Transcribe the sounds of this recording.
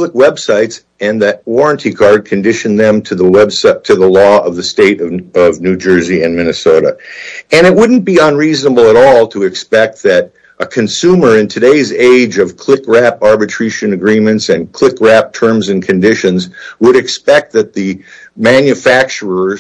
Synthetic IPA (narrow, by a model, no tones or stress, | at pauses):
bləkwɛb̥saɪts | ɨ̃nðɨt̚wɔɹɨ̃ntʰikʰɑɹd̚kʰɨ̃n̩dɪʃɨ̃n̩ðɨ̃mtʰɨðəwɛbstʰɨðəlɔʌvðɨsteɪɾʌʌvnʉd͡ʒɜ˞ziɨ̃nmɪnɨsoʊɾə̰ɨ̃nɨt̚wʊdⁿn̩b̥iə̃nɹiznəbl̩ˠəɾɔlˠtʰəɨkspɛk̚t̪̚ðɨɾ | ʔəkʰɨ̃nsʉmə˞ɨ̃ntʰɨdeɪzeɪd͡ʒʌv̥kʰl̥ɪkɹæpɑɹbɨtʰɹ̥ɪʃɨ̃nɨɡɹĩmɨ̃ntsɨ̃nkʰl̥ɪkɹæp̚tʰɜ̃˞mzɨ̃nkʰɨ̃ndɪʃɨ̃nzwəɾɨkspɛk̚t̪̚ðɨt̪̚ðɨmæ̃njɨfæk̚t͡ʃə˞ə˞